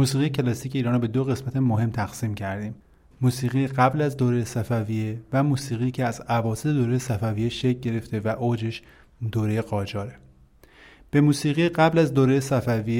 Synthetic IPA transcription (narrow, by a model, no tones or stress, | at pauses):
muːsiːɣijecʰe̞lɒsiːcʰe̞iɾɒnɾobe̞d̪oɣe̞smæt̪ʰemoɦe̞mt̪ʰæɣ̥siːmcʰæɾd̪iːmː | uːsiːɣijɢæblæzd̪oːɾejesæfævijevæmuːsiːɣicʰeæzævɒːset̪ed̪oːɾejesæfævijeʃecɟe̞ɾe̞ft̪ʰe̞væʔoːd͡ʒe̞ʃ | d̪oːɾe̞jeɢɒːd͡ʒɒːɾe | b̥e̞muːsiːɣijɢæblæzd̪oːɾejesæfævije